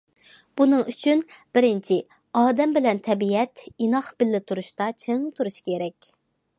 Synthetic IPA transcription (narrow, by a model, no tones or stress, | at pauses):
b̥unɨŋyt͡ʃʰynb̥ɪɾɪnt͡ʃʰi | ɑːd̪ɛmbɪlɛnt̪ʰɛbiɛt̪inɑχb̥ɪlːɪt̪ʰuɾuʃt̪ɑt͡ʃʰeŋt̪ʰuɾuʃkʲʰeɾɛkʲ